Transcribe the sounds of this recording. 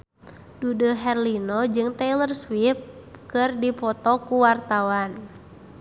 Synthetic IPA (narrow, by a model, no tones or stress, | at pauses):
dudəɦɛrlinɔd͡ʒɨŋt̪ɛlərswip̚ | kɨrdipɔt̪ɔkuwart̪awan